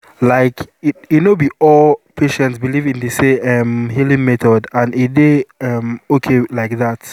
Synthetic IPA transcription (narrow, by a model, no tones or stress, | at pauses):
laɪkijunobiɔlpʰeʃɛ̃ntsbilivĩndiseɛmhilĩŋmɛtɔdãnedeɛmokʰelaɪk̚ðat